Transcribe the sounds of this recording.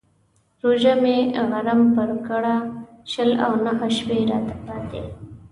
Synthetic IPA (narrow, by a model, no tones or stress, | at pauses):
ɾoʒameɣaɾampəɾkəɽa | ʃəla̰wnaɦəʃpeɾɑ̰t̪abɑd̪ḛ